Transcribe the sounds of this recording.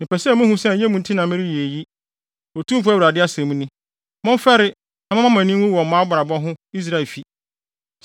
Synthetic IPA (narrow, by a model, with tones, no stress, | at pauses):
nɪ̃˨pɛ˨sɛ˦˨mʊ̃˦hũ˦sɛ˦˨˦jɛ˦mũ˨n̩˨tʰi˦nã˨mɪ̃˦ɾi˦ji˨e˨ji˦ | ɔ˨tʰũ˦m˦fʊ˦a˦wɾa˨dɪ˦a˦sɛ̃˨mũ˦nɪ̃˦ | mʊ̃˦m˦fɛ˦ɾɪ˦ | na˨˦mã˦ã˦mæ̃˨nĩ˦ʊ̃˦wɔ˨mã˦ba˨a˨bɔ˦ɦʊ̃˦i˦s̬ɾa˦ɛ˨fi˨